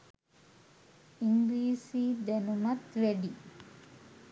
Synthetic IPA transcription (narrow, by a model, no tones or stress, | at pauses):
iŋɡliːsid̪enunɐt̪ʋeɖi